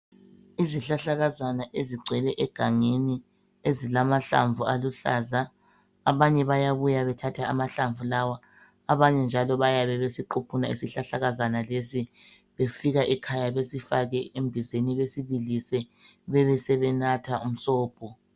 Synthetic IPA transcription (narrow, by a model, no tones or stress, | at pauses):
iziɬaɬaɣazanaʔeziɡ͡ǀʱwɛlɛʔɛɡ̥ʱaŋeni | ezilamaɬa̰ɱvualuɬa̰ːzaː | βaɲɛβajaβujaβɛtʰatʰaamaɬaɱvulawaː | βaɲɛnd͡ʒʱalɔβajaβɛβesiǃupʰunaḭsiɬaɬaɣazanalesi | βefiɣaʔikʰajaβesifaɣɛembʱizeniβesiβilisɛβɛβɛsɛβɛnatʰaum̩sɔːb̥̚ʱɔ